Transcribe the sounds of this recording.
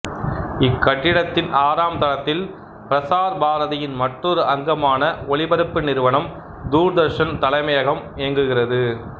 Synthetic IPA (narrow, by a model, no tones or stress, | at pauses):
ɪkːɐʈːɪɽɐt̪ːɪnʔaːɾaːmd̪ɐlɐt̪ːɪl | pɪɾɐsaːɾbaːɾɐðɐjɪnmɐʈrɔɾɯʔɐŋɡɐmaːnɐɔɭɪbɐɾɯpːɯnɪɾɯʋɐɳɐm | d̪uːɾd̪ɐɾʂɐnt̪ɐlɐɪmɐjɐɣɐmeːŋɡɯɣɪrɐðɯ